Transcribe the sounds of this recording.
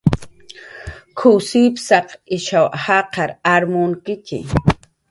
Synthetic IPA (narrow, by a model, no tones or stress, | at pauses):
kʰʊsipsɑqɪʃawhɑqɑɾaɾmʊŋkɪkɪ̰